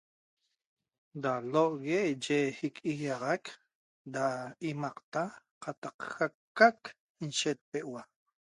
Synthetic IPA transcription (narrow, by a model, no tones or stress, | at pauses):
daloʔɣeʔd͡ʒehikʼiɣɑʁak | daimɑqt̪aqat̪ɑqxakːak | inʃet̪̚peʔwa